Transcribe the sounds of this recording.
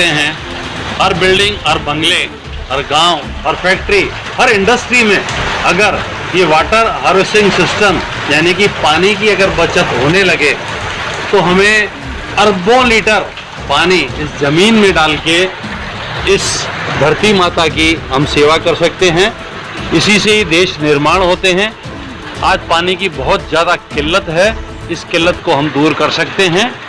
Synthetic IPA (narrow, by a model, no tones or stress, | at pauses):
eɦɛ̃ | hɐɾbɪlɖɪ̃ŋɡɐɾbɐ̃ŋɡle | ɦɐɾɡãːʊ | ɐɾfʰɛːk̚ʈɾi | hɐɾɪ̃ɳɖəsʈɾimẽɐɡəɾ | jeʋaːʈəɾɦəːɾʋɪsʈɪ̃ŋɡsɪsʈəm | jaːnikipaːnikiɐɡəɾbɐt͡ʃət̪ɦoːnelɐɡe | t̪oɦɐmẽ | ɐɾbõliːʈəɾ | paːniɪszɐmiːnmẽɖaːlke | ɪsbʱɐɾt̪imaːt̪akiɦɐmseːʋakɐɾsɐk̚t̪eɦɛ̃ | ɪsiseɦid̪eːʃnɪɾmaːɽ̃ɦoːt̪eɦɛ̃ | aːd͡ʒpaːnikibɐɦʊt̪zjaːd̪akɪlːət̪ɦɛ | ɪskɪlːət̪koɦɐmd̪uːɾkɐɾsɐkt̪eɦɛ̃ː